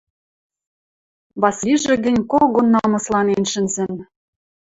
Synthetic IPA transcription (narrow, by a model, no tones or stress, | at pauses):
βɑsʲiʒĕɡɘ̆nʲkoɣonːɑmɤslɑnenʃɘ̆nzɘ̆n